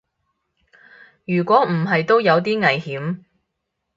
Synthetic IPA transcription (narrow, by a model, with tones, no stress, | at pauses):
jyː˨˩kʷɔː˨˥m̩˨˩ɦɐ˨jt̪o˥wjɐ˨˧wt̪iː˥ŋɐ˨˩jhiː˨˥m